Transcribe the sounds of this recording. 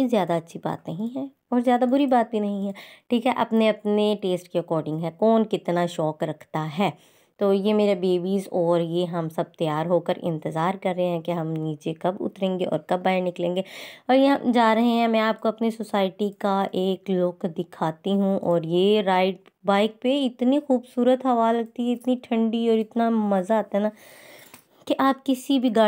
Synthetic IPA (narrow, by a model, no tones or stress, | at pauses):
jezjaːd̪aɐtːʃʰiba̰ːt̪nɐɦĩɦɛː | ɔːɾzjaːd̪abʊɾibaːt̪̚bʱinɐɦĩɦɛːʈʰiːkɦɛʔɐpneɐpneʈeːsʈkiɾɐkɔːɾɖɪ̃ŋɡɦɛːkɔːnkɪt̪naʃɔːkɾɐkʰt̪aɦɛː | t̪oːjemeːɾabeːbiːzɔːɾjeɦɐmsɐb̚t̪ɐjaːɾɦoːkəɾʔɪ̰̃nt̪əzaːɾkɐɾːɐɦeɦɛ̃keɦɐmniːt͡ʃekɐbʊ̰t̪ɾẽːŋɡeʔɔ̰ːɾkɐbːaːenɪklẽːŋɡeːɔːɾjeɦɐmd͡ʒaːɾɐɦẽɦɛ̃mɛ̃aːp̚koɐpnisosaːɪʈikaʔeːklokd̪ɪkʰaːt̪iɦũʔɔːɾjeɾaːɪʈ̚ | baːɪk̚peɪt̪nixuːbsuːɾət̪ɦɐʋaːlɐk̚t̪iɦɛɪt̪niʈʰɐ̃ɳɖiɔːɾɪt̪namɐzaaːt̪aɦɛna | keʔaːp̚kɪsibʱiɡaː